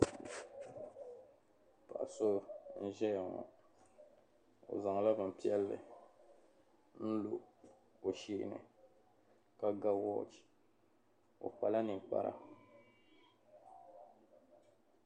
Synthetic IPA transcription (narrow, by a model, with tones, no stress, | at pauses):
pa̰˨a˨so˦n̩˦ʒɛ˦ja˨ŋɔ̰˨ | o̰˨za˨ŋ˨la˦bɨ˨m̩˨pi˦ɛ˦lːɨ̰˨ | n̩˦lo˨ | o˨ʃi˦ʔnɨ̰˨ | ka˦ɡa˦wɔ˦t͡ʃ | o̰˨k͡pa˨la˦nɨ˨k͡pa̰˦ɾa̰˦